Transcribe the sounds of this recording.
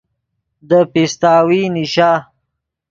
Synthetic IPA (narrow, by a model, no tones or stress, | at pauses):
d̪əpist̪aːwiniʃaː